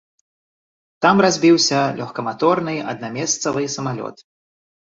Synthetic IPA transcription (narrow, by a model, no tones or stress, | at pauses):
t̪amrazʲbʲiwsʲɐlʲʔɔxkɐmat̪ɔrnɨɐ̰d̪̚namʲɛst̪sɐvɨsɐmalʲɔ̰t̪